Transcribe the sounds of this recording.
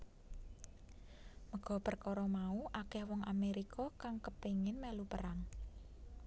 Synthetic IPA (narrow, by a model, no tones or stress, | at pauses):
məɡ̥ɔ̤pərkɔɾɔmauʔakɛhwɔŋameɾikɔkaŋkəpeŋɪnmɛlupəɾaŋ